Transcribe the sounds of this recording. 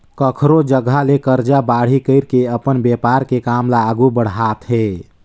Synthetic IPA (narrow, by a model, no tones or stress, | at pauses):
kəkʰɾod͡ʒəɡalekəɾd͡ʒabaɽ̤ikəɪɾkeəpənbjepaɾkekamlaːɡubəɽ̤at̪ɦe